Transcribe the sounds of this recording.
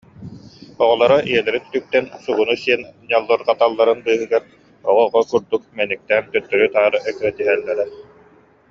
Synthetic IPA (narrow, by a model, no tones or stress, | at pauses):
ɔʁɔlˠɔɾaʔiɛlɛɾint̪yk̚t̪ɛnsuɡunusiɛnɲalˠːɔɾqat̪alˠːaɾɯnbɯːɦɯɡaɾ | ɔʁɔʁɔkuɾd̪uk̚mɛnik̚t̪æːnt̪œt̪ːœɾyt̪aːɾɯʔɛkɾɛd̪iɦɛlːɛɾɛ